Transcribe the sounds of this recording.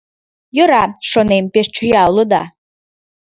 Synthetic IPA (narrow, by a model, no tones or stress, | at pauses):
jɨɾaʂonejmpeʂʈ͡ʂʰɨjalɨd̪a̰